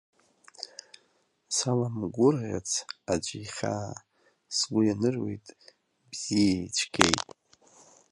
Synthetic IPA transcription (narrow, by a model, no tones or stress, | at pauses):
salamɡʷʊrʁʲa̰t͡sʰad͡ʒʷiχʲa̰ | sɡʷʊjanɨrwḛjtʼ | bz̥ijait͡ʃʷʰɡʲḛjtʼ